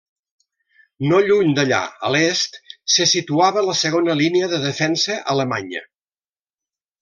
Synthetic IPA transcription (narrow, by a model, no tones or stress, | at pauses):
noʎuɲd̪əʎa̰ə̰lest̪səsit̪uaβələsəɣ̞onəliniəðəðəfɛnsəʔələmaɲə̰